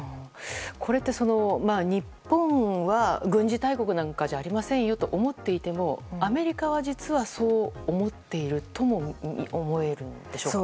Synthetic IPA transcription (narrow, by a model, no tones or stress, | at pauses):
kʰo̞ɾe̞t̪ːe̞so̞no̞maːɲ̟ipːõ̞ŋ̃βaɡɯ̟̃ɲ̟d͡ʑit̪aiko̞kɯ̟nãŋkad͡ʑaːɾʲimasẽ̞ɰ̃jo̞t̪o̞ʔomo̞t̪ːe̞it̪e̞mo̞ame̞ɾʲikaβ̞ad͡ʑit͡sɨβaso̞ːmo̞t̪ːe̞iɾɯ̟t̪o̞mo̞̰omo̞e̞ɾɯ̟̃nd̪̥e̞ɕo̞kː